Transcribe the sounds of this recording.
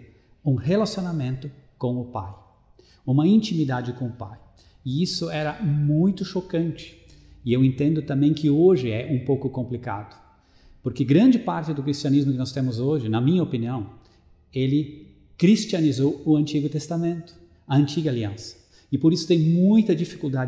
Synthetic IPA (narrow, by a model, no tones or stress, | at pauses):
ũhelasionamẽnt̪ʊkõw̃ʊpa̰j | ũmɐĩnt͡ʃimid̪ad͡ʒɪkõʊpa̰j | ɪisʊɛɾɐmũj̃t̪ʊʃokɐ̃nt͡ʃɪ̥ | ɪewẽnt̪ẽnd̪ʊt̪ɐ̃mbẽj̃kɪoʒɪɛʔũpowkʊkõmplika̰d̪ʊ | poɾkɪɡɾɐ̃nd͡ʒɪpaɾt͡ʃɪd̪ʊkɾist͡ʃiɐnizmʊkɪnɔst̪ẽmʊzoʒɪnɐmĩɲɐopiniɐ̃w̃ | elɪ | kɾist͡ʃiɐnizowʊɐ̃nt͡ʃiɡʊt̪est̪amẽnt̪ʊ̥ | ɐɐ̃nt͡ʃiɡɐaliɐ̃sɐ̥ | ɪpoɾisʊ̥t̪ẽj̃mũj̃t̪ɐd͡ʒifi̥kuld̪ad͡ʒ